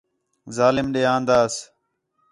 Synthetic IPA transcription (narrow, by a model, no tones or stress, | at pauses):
zaːlɪmɗeːãːnd̪aːs